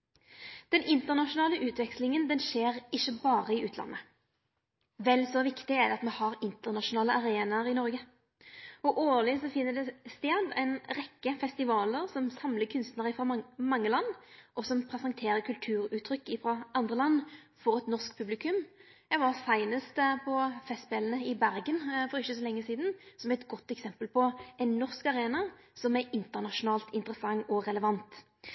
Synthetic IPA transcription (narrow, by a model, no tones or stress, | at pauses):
d̪̥ɛnɪnt̪əʁnɑʃʊnɑːləʔʉːt̪ʋɛkslɪŋənd̪ɛnʃeːʁɪʃːəbɑːʁəɪʔʉːt̪lɑ̰nːə | ʋɛlsɔʋɪkt̪ɪɛd̪ɛɑt̪mɛhɑʁɪnt̪əʁnɑʃʊnɑːləɑɾeːnɑəɾɪnɔɾɡə | ɔʔoːlɪsɔfɪnːəd̪ɛst̪eːd̪æ̰ɪnʁɛkːəfɛst̪ɪʋɑːləʁsɔmsɑmləkʰʉnst̪nəʁəfʁɔmɑŋːəlɑnːʔɔsɔmpʰɾɛsɑŋt̪ʰeːɾəkʰʉlt̪ʰʉːɾʉːt̪ʰːɾʏkːɪfɾɔɑnd̪ʁəlɑnː | fɔɾɛt̪nɔʁsk̚pʰʉblɪkʉm | ɛʋɑʁsæɪnəst̪pʰɔfɛst̪beːlənəɪbæɾɡənfɔɾɪçːəsɔlɛŋːəsiːd̪nsɔmæɾɛt̪ɡɔt̪ːɛksɛmpəlpʰɔɛnːɔʁskɑʁeːnɑ | sɔmæɾɪnt̪əʁnɑʃʊnɑːlt̪ɪnt̪əɾəsɑŋːɔɾɛləʋɑnt̪